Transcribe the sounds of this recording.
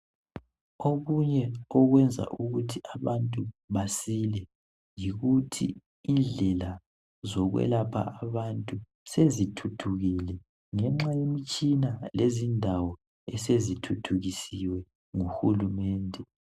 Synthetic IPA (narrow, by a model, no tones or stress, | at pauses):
oɣuɲɛɔɣwɛnd͡zʱa̰ʔuɣutʰiʔaβantʼuβasilɛ | jiɣutʰḭː | nd͡ɮʱɛla | zɔɣwɛ̰lapʰa̰aβantʼu | sezitʰutʰuɣilɛ | ŋɛŋ͡ǁajemit͡ʃʼinalezindʱawɔ | ɛsezitʰutʰuɣisiwɛ | ŋuxulumɛːndʱɛ